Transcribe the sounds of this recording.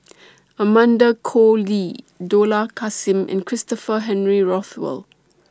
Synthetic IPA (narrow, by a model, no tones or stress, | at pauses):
əmãndəkʰoli | dolakʰasĩmʔɛ̰̃nkʰɹɪstɔfəɦɛ̃nɹiɹɔθwɛ̰l